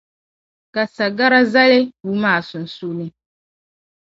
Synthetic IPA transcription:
ka˨sa˨ɡa˦ɾa˦za˦lɪ˦wu˦maː˦˨sʊ˨n̩˨su˦nɨ˦

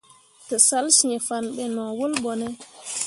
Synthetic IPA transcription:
tɔ˨sa˦lsiɲɛ˨fanɓɛ˨nɔ˨wo˦lbɔnɛ˦

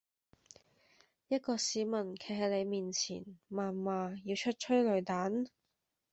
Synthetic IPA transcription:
jɐ˥t̚kɔː˧siː˨˧˥mɐ˨˩nkʰe˨˩ɦɐ˨˧jle˨˧jmiː˨nt͡sʰḭː˨˩nmaː˨˩nmaː˨˧jiː˧wt͡ʃʰɵ˥t̚t͡ʃʰɵ˥ɥlɵ˨˧ɥt̪aː˨˥n

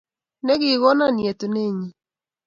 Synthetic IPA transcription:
ne˦ɣɪ˨ɣɔ˦na˦˨nje˨to˨ne˦˨ɲi˦

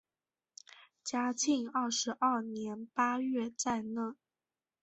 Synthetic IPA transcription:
t͡ɕja˥t͡ɕʰi˥˧ŋɑ˥˩ʂɻ̩˧˥ʔa˥˩njɛ˧˥npa˥ɥɛ˥˧t͡sa˥˧ɪnɤ˥˩˦

